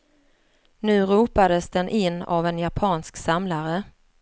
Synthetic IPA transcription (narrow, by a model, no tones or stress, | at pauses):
nʉ̟ːɾuːpad̪əsd̪ɛnʔɪnːa̰vɛnjapʰɑːnsksamlaɾə